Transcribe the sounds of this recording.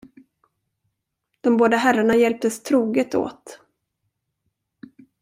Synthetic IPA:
d̪̥ɔmboːd̪aɦæɾaɳajɛlp̚t̪əst̪ʰɾuːɡət̪o̰ːt̪

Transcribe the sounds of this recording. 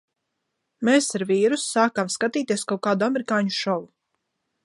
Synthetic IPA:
meːsaɾviːɾusːaːkamskat̪iːt̪iɛskawkaːd̪uameɾikaːɲuʃɔlˠu

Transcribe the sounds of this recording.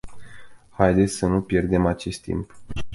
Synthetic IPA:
hajd̪e̞t̪sʲsənupje̞rd̪e̞mat͡ʃe̞st̪ːḭmp

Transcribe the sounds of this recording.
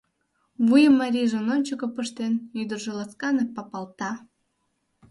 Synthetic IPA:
βujəmːɑɾʲiʒĕnonʲt͡ɕəkə̆pəʃt̪enyd̪ərʒelɑt͡skɑnepɑpɑlt̪ɑ

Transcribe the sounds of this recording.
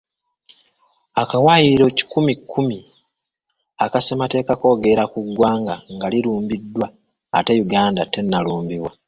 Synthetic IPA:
akawaːjiiɾo̞ci̥kumikːumi | akasemate̞ːkako̞ːɡe̞ɾakuɡːwaːŋɡaŋɡaliluːmbidːwaː | te̞juɡaːndate̞nːaluːmbiβwa

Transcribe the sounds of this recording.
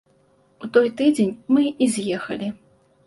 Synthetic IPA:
ut̪ɔjt̪ɨd͡zʲenʲmɨizʲjɛxɐ̰lʲi

